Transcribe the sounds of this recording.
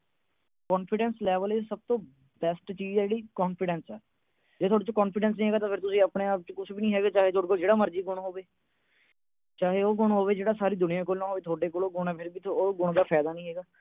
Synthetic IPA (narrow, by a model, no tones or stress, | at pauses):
kɔːnpʰɪɖɛnslɛːʋəleːsəb̚t̪õː | bɛːsʈt͡ʃiːd͡ʒd͡ʒeːɽiːkɔːnpʰɪɖɛ̃nsɛː | d͡ʒeːt̪ʰoːɖõːt͡ʃõːkɔːnpʰɪɖɛ̃ːnsnĩːɦɛːɡaːt̪ãːpʰɪɾt̪ʊsĩːəpneːaːp̚t͡ʃːkʊt͡ʃʰbiːnĩːɦɛːɡaːt͡ʃaːɦeːd͡ʒʊɽɡoːd͡ʒeːɽaːməɾd͡ʒiːɡʊɽ̃ɦoːʋeː | t͡ʃaːɦeːoːɡʊɳ̃ːɦoːʋeːd͡ʒeːɽaːsaːɾiːd̪ʊnijãːkoːlnãːɦoːʋeːt̪ʰoːɖeːkoːloːɡʊɽ̃ɛːpʰɪɾbiːt̪ʰooːɡʊɽ̃d̪aːpʰɛːd̪aːnĩːɦɛːɡaː